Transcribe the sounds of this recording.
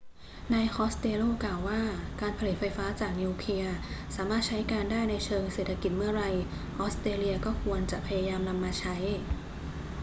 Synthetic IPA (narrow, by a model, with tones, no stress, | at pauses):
naː˧jxɔː˦˥st̪eː˧loː˥˩klaː˨˩wːaː˥˩kaː˧npʰa˧li˨˩t̪̚fa˧jfaː˦˥t͡ɕaː˨˩k̚ni˧kʰli˧ɐsaː˩˦maː˥˩t̪̚t͡ɕʰa˦˥jkaː˧ndaː˥˩jna˧jt͡ɕʰɤː˧ŋseː˨˩t̪ʰa˧ki˨˩t̪̚mɯ˥˩ɐɾa˧j | ʔɔː˦˥st̪ɾeː˧li˧ɐkɔː˥˩kʰu˧ənt͡ɕa˨˩pʰa˧jaː˧jaː˧mna˧mːaː˧t͡ɕʰa˦˥j